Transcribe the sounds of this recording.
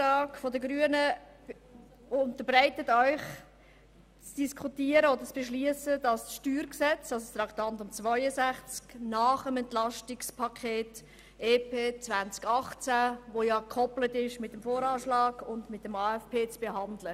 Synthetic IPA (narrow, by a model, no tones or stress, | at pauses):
ɑːkfɔdəɡɾyənə | ʊntəɾbɾɛɪtətœʏχ | t͡sd̥iskʰutiəɾəod̪ət͡sb̥eʃliəsədɑsʃtyːɾksɛt͡sɑsost̪ɾɑkt̪ɑntʊmt͡svœʏəsæχt͡sknɑːχəmɛntlɑʃtɪkspʰɑkʰeːt | eːpeːt͡svænt͡skɑχt͡sæʋojɑkʰɔplətɪʃmɪt̚ːəmfoːɾɑːʃlɑːɡʊndmɪt̚ːəmɑːɛfpeːt͡sb̥eɦɑndlə